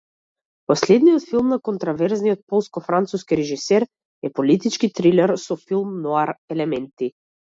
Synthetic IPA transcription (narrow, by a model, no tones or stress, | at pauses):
pɔslɛd̪nijɔt̪filˠmnakɔnt̪ɾɔvɛɾznijɔt̪̚pɔlˠskɔfɾant̪suskiɾɛʒisɛɾ | ɛpɔlit̪it͡ʃkit̪ɾilɛɾsɔfilˠmnɔaɾɛlɛmɛnt̪i